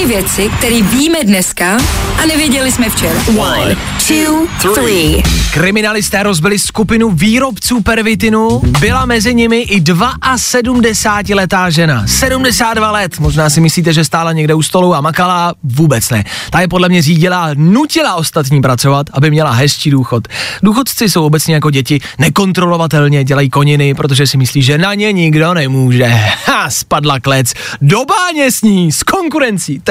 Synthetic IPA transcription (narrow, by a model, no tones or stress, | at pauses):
ɪvjɛt͡sɪk̚t̪ɛɾiːbiːmɛdnɛskaʔanɛvjɛɟɛlɪsmɛft͡ʃɛɾawan | tuθɾiːkɾɪmɪnalɪst̪ɛːɾo̞zbɪlɪskupɪnuviːɾo̞pt͡suːpɛɾvɪt̪ɪnubɪlamɛzɪɲɪmɪʔɪdvaʔasɛdumdɛsaːcɪlɛt̪aːʒɛnasɛdumdɛsaːt̪̚dvalɛt̪mo̞ʒnaːsɪmɪsliːt̪ɛʒɛst̪aːlaɲɛɡdɛust̪o̞luwamakalavuːbɛt͡snɛ̰t̪ajɛpo̞dlɛmɲɛriːɟɪlanucɪlaʔo̞st̪at̪ɲiːpɾat͡so̞vat̪ʔabɪmɲɛlaɦɛst͡ʃiːduːxo̞t̪duːxo̞t̪t͡sɪso̞wʔobɛt͡sɲɛjako̞ɟɛcɪ | nɛko̞nt̪ɾo̞lo̞vat̪ɛlɲɛɟɛlajiːko̞ɲɪnɪpɾo̞t̪̬oʒɛsɪmɪsliːʒɛnaɲɛɲɪɡdo̞nɛmuːʒɛaspadlaklɛt͡s | dobaːɲɛsɲiːsko̞ŋkuɾɛnt͡siː